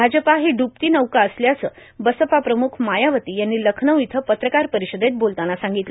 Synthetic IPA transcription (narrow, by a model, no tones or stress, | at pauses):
bʱad͡ʑəpaɦiɖup̚t̪iːnəʋkaəsljasə | bəsəpapɾəmukʰmajaʋət̪iːjanːiːləkʰnəwit̪ʰəpət̪ɾəkaɾpəɾiɕəd̪ʱet̪̚bolt̪anasãŋɡit̪l